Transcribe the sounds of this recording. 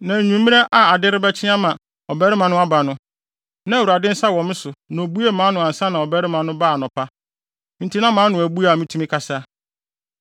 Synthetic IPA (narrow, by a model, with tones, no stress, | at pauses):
nã˨ɲũ˨m˦mĩ˦nɛ˦ʔa˨a˨dɪ˦ɾɪ˦bɛ˦t͡ɕʰɪ˦a˦mã˨ | ɔ˨bɛ˦ɾɪ˦mã˨nʊ̃˦a˦ba˨nʊ̃˦ | nã˦˨wu˨ɾa˨dɪ̃˦n̩˦sa˦wɔ̃˨m˦sʊ˨nã˨o˨bu˦e˦mãː˨˦nʊ̃˨ã˨n̩˨sã˦nã˨ɔ˨bɛ˦ɾɪ˦mã˨nʊ̃˦ba˦˨nɔ̃˨pʰa˦ | n̩˨˦tʰi˦nã˦mãː˨˦nʊ̃˨æ˨bu˦a˨mĩ˦tʰũ˦mĩ˦kʰa˨sa˦